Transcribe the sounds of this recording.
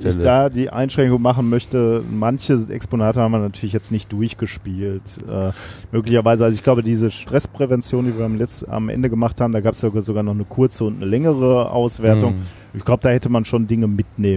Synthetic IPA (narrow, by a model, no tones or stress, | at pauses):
ɪd̥aːdiːʔa̰ɪnʃʁ̥ɛŋkʊŋmaχn̩mœçtəmançəɛ̰ksponaːtəhaːmviɐnatʰyːɐlɪçjɛt͡stnɪçt̚d̥ʊɐçɡ̥əʃpiːltʔɛːmøːklɪçɐvaɪzəʔalzoɪçɡ̥laʊbədiːzəʃtʁ̥ɛspʁ̥ɛvɛnt͡sjoːndiːviːɐamɛa̰mʔɛ̰ndəɡəmaχthaːbm̩daːɡaːpə̥sjaɡazoɡaːɐnɔχnəkʰʊɐt͡səʊntnəlɛŋəʁ̞əʔa̰ʊsv̥eːɐtʊŋ | ʔɪçɡ̥laʊbəd̥aːhɛtəmanʃondɪŋəmɪtneːmə